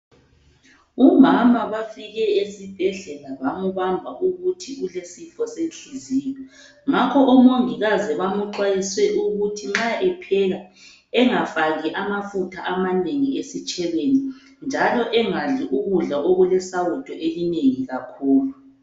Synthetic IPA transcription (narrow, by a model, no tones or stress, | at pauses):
umamaβafiɣɛesib̥ʱɛɮɛlaβamuβambʱaʔuɣutʰiulesifɔsenɬuziːjɔ | ŋakʰɔʔɔmoŋiɣazɛβamuǃwajiswɛʔuɣutʰiŋ͡ǁaʔɛpʰɛɣa | ɛŋafaɣiʔamafutʰaʔamaneŋiesit͡ʃʼɛβeni | nd͡ʒʱalɔʔɛŋaɮiʔuɣuɮaoɣulɛsawutʰɔʔelineŋiɣakʰuːlu